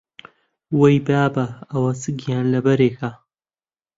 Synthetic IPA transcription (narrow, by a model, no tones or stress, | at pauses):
wɐjbaːbɐɐwɐsɨɡijaːnlɐbɐɾeːkʰa